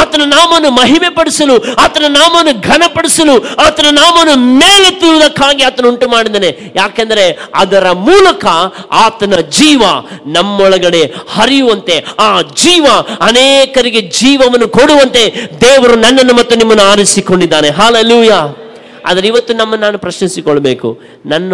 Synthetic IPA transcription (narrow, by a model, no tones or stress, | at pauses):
aːt̪ɐnunaːmɐnːumɐɦimepɐɽisɐluaːt̪ɐnunaːmɐnːuɡʱɐnɐpɐɽisɐluaːt̪ɐnunaːmɐnːumeːlet̪ːiud̪ɐkʰːaːɡiaːt̪ɐnuuɳʈumaːɽid̪ɐne | jaːkend̪ɐɾe̞ɐ̰d̪ɐɾɐmuːlɐkɐaːt̪ɐnɐd͡ʒiːʋɐnɐmːɔɭɐɡɐɽe̞hɐɾijuʋɐnt̪e̞aːd͡ʒiːʋɐɐneːkɐɾiɡe̞d͡ʒiːʋɐʋɐnːukoɽuʋɐnt̪e̞d̪eːʋɐɾunɐnːɐnːumɐt̪ːunimːɐnːuaːɾisiko̞ɳɖid̪ːaːne̞ɦaːleːluːjaː | a̰ːd̪ɐɾeiʋɐt̪ːunɐmːɐnaːnupɾɐʃnisikoɭːɐbe̞ːkṵ | nɐnː